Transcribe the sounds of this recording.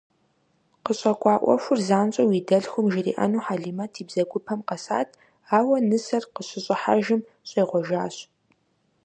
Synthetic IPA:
qəɕʼɐkʷʼɑːʔʷɔ̰ʃʷʊrzaːnɕʼɐwiːdɐɮxʷʊmʒɪrḭːʔɐ̰nuːħaːɮiːmɐtʰiːbzɐɡʷʼʊpʰɐmqɐsa̰ːtʰ | aːwɐnɨsɐrqəɕɪɕʼɪħa̰ʒɪm | ɕʼeːʁʷɔʒaːɕ

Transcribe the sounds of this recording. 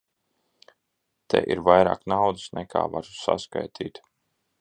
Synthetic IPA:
t̪ʰɛ̰ʔiɾvajɾa̰ːknawd̪ɨsnɛkʰa̰ːvaɾsa̰ska̰jt̪ʰiːt̪

